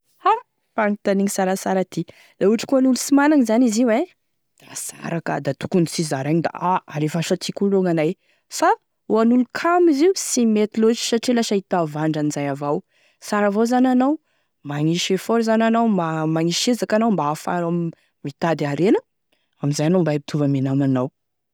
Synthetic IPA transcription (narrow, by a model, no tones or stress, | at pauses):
ha | paŋit̪aniɲisaɾasaɾat̪i | lauʈ͡ʂi̥kuanulusimanaŋizaniziwe | asa̰ɾakə̰d̪at̪u̥kunt͡sizaɾaɲid̪a̰aaɾefaaʃat̪ʰikuloŋanaj | fa | uanulukʰamiziusimet̪ilozi̥saʈ͡ʂilaʃait̪avaɳɖ͡ʐanizajavaw | saɾavawzananaw | maŋiʃefoɾzananawmamaŋiʃezakanawmbaafa̰ɾam | mit̪ad̪aɾenə | amizajanambajpit̪ʰuvəmenamanaw